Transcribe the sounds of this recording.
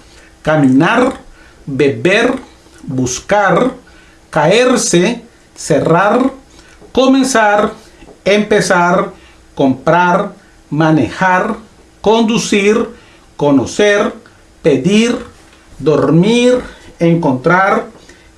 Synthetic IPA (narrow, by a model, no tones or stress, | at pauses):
kamĩnaɾ | beβeɾ | buskaɾ | kaeɾse | seraɾ | komẽnsaɾ | empesaɾ | kompɾaɾ | manexaɾ | kond̪usiɾ | konoseɾ | ped̪iɾ | d̪oɾmiɾẽŋkont̪ɾaɾ